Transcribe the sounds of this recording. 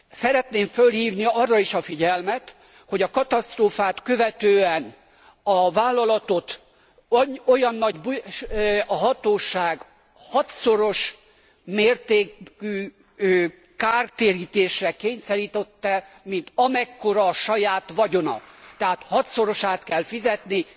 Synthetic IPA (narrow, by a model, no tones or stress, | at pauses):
sɛɾɛt̪neːɱfølhiːvniɒrːɒiʃɒfiɟɛlmɛt̪ | ho̞ɟɒkɒt̪ɒst̪roːfaːt̪kø̞vɛt̪øːɛn | ɒvaːlːɒlɒt̪o̞t̪ | ojɒnːɒɟbu | ɒɦɒt̪oːʃaːɡ | hɒt̪so̞ɾo̞ʃ | meːrt̪eːkyː | kaːrt̪eːɾiːt̪eːʃrɛkeːɲsɛɾiːt̪ɛt̪ːɛ | mint̪ɒmɛkːo̞ɾɒːʃɒjaːt̪ʋɒɟo̞nɒ̰t̪ɛɦaːt̪hɒt̪so̞ɾo̞ʃaːt̪kɛlfizɛt̪ni